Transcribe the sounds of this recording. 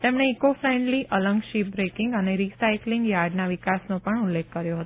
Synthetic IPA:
t̪emɳ̃eːkofɾɛɳɖliʔʔələŋɡʃip̚bɾekɪ̃ŋɡəneɾisajklɪŋɡjaɾɖnaʋikasnõpəɳʊlːekːəɾjoɦət̪o

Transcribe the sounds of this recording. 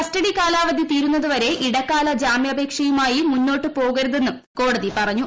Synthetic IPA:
kɐstɐɽikaːlaːʋɐd̪ʱit̪iːɾunːɐðuʋɐɾe̞ʔiɽɐkːaːlɐd͡ʑaːmjɐbʱe̞ːkʂɐjumaːjimunːo̞ːʈːɨpo̞ːɣɐɾuðe̞nːum | ko̞ːɽɐðipɐrɐɲːu

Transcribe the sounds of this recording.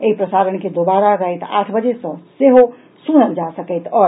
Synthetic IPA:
eipɾəsaɾənked̪obaɾaɾəɦɛt̪a̰ʈʰbəd͡ʒesə̃seɦo | sunəld͡ʒasəkəjt̪ʰɔːɾ

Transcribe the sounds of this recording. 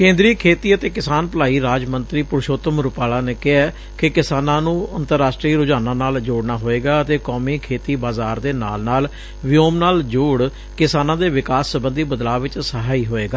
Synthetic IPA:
kẽːnd̪ɾiːkʰeːt̪iːət̪eːkɪsaːnpəlaːiːɾaːd͡ʒmənt̪ɾiːpʊɾʃoːt̪əmɾʊpaːlaːneːkɪɦɛː | kɪkɪsaːnãːnũːənt̪əɾːaːsʈɾiːɾʊd͡ʒaːnãːnaːld͡ʒoːɽnaːɦoːeːɡaːət̪eːkoːmiːkʰeːt̪iːbaːzaːɾd̪eːna̰ːlnaːl | ʋɪjoːmnaːld͡ʒoːɽ | kɪsaːnãːd̪eːʋɪkaːsːəbənd̪iːbəd̪laːʋɪt͡ʃsəɦaːiːɦoːeːɡaː

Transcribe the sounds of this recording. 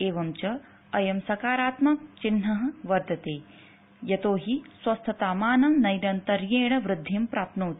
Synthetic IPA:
eːʋɐmt͡ʃɐː | jɐmsɐkaːɾaːt̪mɐkt͡ʃinːɐɦɐ̆ʋɐɾd̪ɐt̪eː | jɐt̪oːɦiswɐst̪ʰɐt̪aːmaːnɐnɐjɾɐnt̪ɐɾjeːɽ̃ɐʋɾɪd̪ʱːimpɾaːp̪nuːt̪

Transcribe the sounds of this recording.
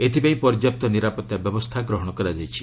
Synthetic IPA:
et̪ʰipaĩpɔɾɔd͡ʒjap̚t̪ɔniɾapɔt̪jabjɔbɔst̪ʰaɡɾɔɦɔɽ̃ɔkɔɾad͡ʒajt͡ʃʰi̥

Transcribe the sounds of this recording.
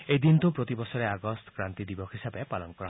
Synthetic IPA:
ejd̪int̪upɾot̪ibɔsɔɾeaɡɔst̪ʰɔ̥kɾant̪id̪ibɔkʰɦisabepalɔnkɔɾa

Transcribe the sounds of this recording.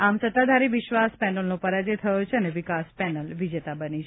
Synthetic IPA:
amsət̪ad̪ʱaɾiʋɪʃʋaspɛnəlnopəɾad͡ʒet̪ʰəjõt͡ʃʰeəneʋɪkaspɛnəlʋid͡ʒet̪abənit͡ʃʰ

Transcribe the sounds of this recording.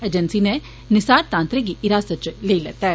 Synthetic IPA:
eːd͡ʒənsine | nɪsaːɾt̪ãːnt̪ɾɪk̚ɡiʔɪɾaːsət̪t͡ʃleilɛːt̪aɦɛ

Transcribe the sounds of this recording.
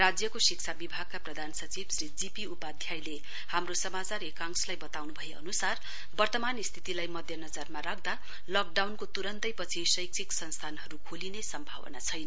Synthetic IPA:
rad͡zjʌkosikt͡sʰabibʱaɡ̚kaprʌd̪ʱansʌt͡sibsrid͡zipiupad̪ʱjajle | hamrosʌmat͡saɾekaŋslajbʌt̪awnubʱʌeʌ̰nusar | bʌrt̪ʌmanist̪ʰi̥t̪ilajmʌd̪ʱjʌnʌd͡zarmarakʰd̪a | lʌk̚ɖawnkot̪uɾʌnt̪ʌjpʌt͡sʰisʌjk̚t͡sʰiksʌnst̪ʰanɦʌɾukʰolinesʌmbʱa̰wʌ̰nat͡sʰʌjnʌ

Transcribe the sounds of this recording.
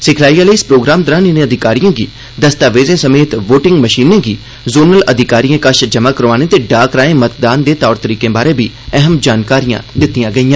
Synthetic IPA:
sɪkʰlaːiːãːləiɪspɾoːɡɾaːmd̪əɾaːnɪnẽːəd̪ʱɪkaːɾijãːɡiː | d̪əst̪aːʋeːzẽːsəmeːt̪ʋoːʈɪ̃ŋɡməʃiːnẽːɡiː | zoːnəlʔəd̪ʱɪkaːɾijãːkəʃd͡ʒəmaːkəɾʋaːnẽːt̪eːɖaːkɾaːẽːmət̪d̪aːnd̪eːt̪ɔːɾt̪əɾiːkẽːbaːɾeːbiː | ɛɦəmd͡ʒaːnkaːɾijã̰ːd̪ɪt̪ːijãːɡəiːãː

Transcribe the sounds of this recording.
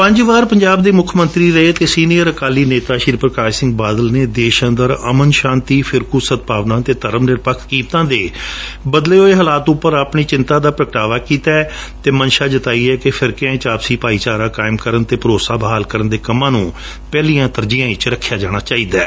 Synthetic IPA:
pə̃ɲd͡ʒʋaːɾpəɲd͡ʒaːb̚d̪eːmʊkʰmə̃nt̪ɾiːɾəeːt̪eːsiːnijəɾəkaːliːneːt̪aːʃɪɾpɾəkaːʃsɪ̃ŋɡbaːd̪əlneːd̪eːʃənd̪əɾəmənʃãːnt̪iːpʰɪɾkusət̪̚paːʋnãːt̪eːt̪əɾəmnɪɾpəkʰkiːmt̪ãːd̪eːbəd̪leːɦoːeːɦəlaːt̪ʊpːəɾaːpɳiːt͡ʃɪnt̪ãːd̪aːpɾəkʈaːʋaːkiːt̪ɛːt̪eːmənʃaːd͡ʒət̪aːiːɛːkɪpʰɪɾkɪjãːɪ̃t͡ʃaːpsiːpaːiːt͡ʃaːɾãːkaːɪmkəɾənt̪eːpəɾoːsaːbəɦaːlkəɾənd̪eːkəmãːnũː | pɛːliːãːt̪əɾd͡ʒijãːɪt͡ʃɾəkʰːjaːd͡ʒaːɽ̃aːt͡ʃaːiːd̪aː

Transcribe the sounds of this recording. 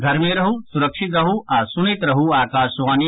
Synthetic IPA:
ɡʱɐɾmẽɾɐɦusuɾɐkʂit̪ɾɐɦuaːsunet̪ɾɐɦuaːkaːʃʋaːni

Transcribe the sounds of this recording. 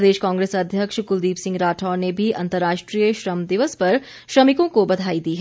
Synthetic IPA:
d̪eːʃkãːŋɡɾeːsɐd̪ʱjəkʃkʊld̪iːpsɪ̃ŋɡɾaːʈʰaːnebʱiɐ̃nt̪əɾːaːʃʈɾijəʃɾəmd̪ɪʋəspɐɾ | ʃɾɐmɪkõkobɐd̪ʱaːid̪iːɦɛ

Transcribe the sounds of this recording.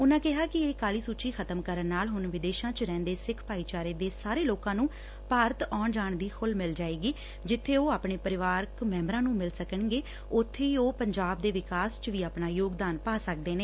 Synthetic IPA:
ʊnãːkɪɦaːkɪeːkaːliːsuːt͡ʃiːkʰət̪əmkəɾənːaːlɦʊnʋɪd̪eːʃãːt͡ʃɾɛ̃ːnd̪eːsɪkʰpaːiːt͡ʃaːɾeːd̪eːsaːɾeːloːkãːnũː | paːɾət̪ɔːɳd͡ʒaːɳd̪iːkʰʊlmɪld͡ʒaːeːɡiː | d͡ʒɪt̪ʰːeːoːaːpɳeːpəɾɪʋaːɾkmɛ̃ːmbɾãːnũːmɪlsəkəɳɡeː | ʊt̪ʰːeːiːoːpəɲd͡ʒaːb̚d̪eːʋɪkaːst͡ʃʋiːaːpnaːjoːɡd̪aːnpaːsək̚d̪eːneː

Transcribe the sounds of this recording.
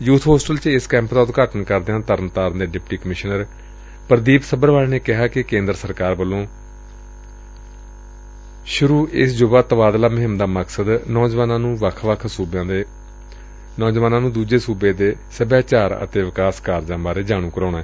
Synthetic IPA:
juːt̪ʰɦoːsʈəlt͡ʃɪskɛ̃ːmpd̪aːt̪okaːʈənkəɾd̪ãːt̪əɾənt̪aːɾənd̪eːɖɪpʈiːkəmɪʃnəɾ | pəɾd̪iːpsəbəɾʋaːlːneːkɪɦaːkɪkẽːnd̪ɾəsəɾkaːɾbəlːõː | ʃʊɾuːʔɪsd͡ʒʊbaːt̪əbaːd̪laːmɪɦɪmd̪aːməksəd̪nɔːd͡ʒʋaːnãːnũːʋəkʰʋəkʰsuːbãːd̪ | nɔːd͡ʒʋaːnãːnũːd̪uːd͡ʒeːsuːbeːd̪eːsəbjaːt͡ʃaːɾə̰t̪eːʋɪkaːskaːɾd͡ʒãːbaːɾeːd͡ʒaːɽ̃ũːkəɾoːnaːɛː

